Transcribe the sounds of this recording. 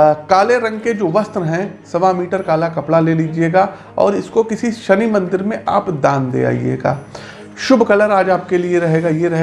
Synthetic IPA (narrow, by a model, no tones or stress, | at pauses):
kaːleɾɐ̃ŋɡked͡ʒoːʋɐst̪ɾɦɛ̃sɐʋamiːʈəɾkaːlakɐpɽaleːliːd͡ʒieːɡaː | ɔ̰ːɾɪskokɪsiʃɐnimɐ̃nd̪ɪɾmẽʔa̰ːpd̪aːnd̪ḛa̰ːḭḛːɡa̰ː | ʃʊbʱkɐləɾaːd͡ʒaːp̚kelieɾɐɦeːɡajeɾɐɦe